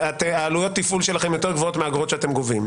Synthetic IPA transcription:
at̪eaːlujot̪ːifulʃelaχemjot̪eʁɡvoo̞t̪meaɡʁo̞tʃeat̪emɡovim

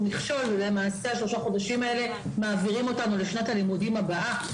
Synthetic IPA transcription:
niχʃo̞lvebe̞maːse̞aʃlo̞ʃaχo̞daʃimae̞le̞ | maːviʁimo̞tanuleʃnathalimudimabaʔa

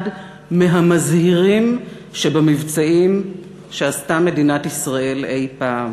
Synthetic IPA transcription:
d | meɦamazhiʁim | ʃebamivt͡saim | ʃeastame̞dinat̪isʁaʔe̞le̞jpaːm

